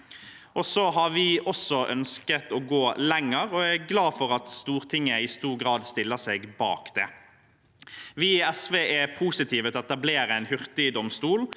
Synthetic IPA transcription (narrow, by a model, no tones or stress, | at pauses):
ʔɔsɔɦɑɾʋɪɔsɔʔœ̰nskət̪ɔɡoːlɛŋːəʁɔæɡlɑːfɔʁɑt̪st̪uːʁt̪ʰɪŋːəɪst̪uːɾɡɾɑːd̪st̪ɪlːəseːɡbɑ̰ːkd̪̥ɛ | ʋɪɛsʋeːʔɛpʰuːsɪt̪ʰiːʋət̪ʰɛɔɛt̪ɑbleːɾəɛɪnhʏʁt̪ɪd̪ɔmst̪uːl